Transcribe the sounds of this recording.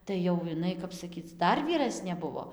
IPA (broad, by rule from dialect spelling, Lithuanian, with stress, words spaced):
tɐɪ jɛʊ ɪˈnɐɪ ˈkɐp sɐˈkʲiːt͡s ˈdɐr ʋʲiːˈrɑːsʲnʲeː ˈbʊʋoː